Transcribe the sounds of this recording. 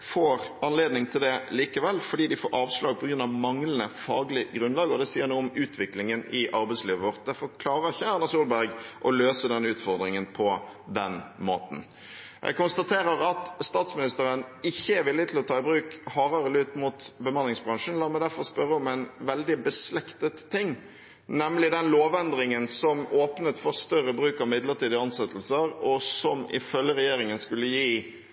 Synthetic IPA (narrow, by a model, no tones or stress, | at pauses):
foːɾɑnleːd̪nɪŋt̪ʰɪld̪ɛliːkəʋɛlfɔɖiːd̪ɪfoːɾɑːʋslɑːɡ̚pʰɔɡɾʉnɑʋmɑŋlən̩əfɑːɡlɪɡʁʉnlɑːɡəɔd̪ɛsiːəɾnuːɔmʉːt̪ʰʋɪklɪŋənɪʔɑɾbɛɪsliːʋəʋɔʁt̪̚d̪æfɔɾkʰlɑːɾəɾɪçːəæʁnːɑsuːlbæɾɡʔɔløːsəd̪ɛnːʉːt̪fɔɾd̪ʁɪŋənpʰɔd̪ɛnmo̰ːt̪n̩ | ʔɛ̰ɡ̚kʊnst̪ɑt̪ʰeːɾəʁɑt̪st̪ɑːt̪smɪnɪst̪əɾənɪçːəɛɾʋɪlːɪt̪ɪlɔt̪ʰɑːɪbʁʉːkhɑːɾəɾəlʉːt̪mut̪bəmɑnlɪŋsbʁɑŋʂn̩lɑːmɛɪd̪æɾfɔʁspœɾəɔmɛɪnʋɛld̪ɪbəslɛkt̪ət̪ʰːɪŋː | nɛmlɪd̪ɛnloːʋɛnd̪ɾɪŋənsɔmoːpnət̪fɔʁst̪œʁəbʁʉːkɑʋmɪd̪ləʁt̪iːd̪əɑnsɛt̪ʰːəl̩səɾɔsɔmɪ̰fœljəʁɛjeːɾɪŋənskʉlːəjiː